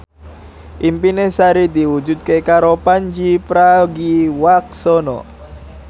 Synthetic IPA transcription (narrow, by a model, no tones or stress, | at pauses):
ʔimpinesaɾid̪iwud͡ʒut̪̚kekaɾopaɲd͡ʒipɾaɡiwak̚sɔnɔ̰